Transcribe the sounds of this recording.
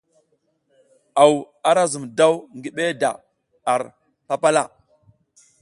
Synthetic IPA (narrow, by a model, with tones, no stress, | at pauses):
a˨w | a˦ɾa˦zu˨mda˦wŋɡi˦ɓe˦da̰˨ | a˨ɾ | pa˦pa˦la˦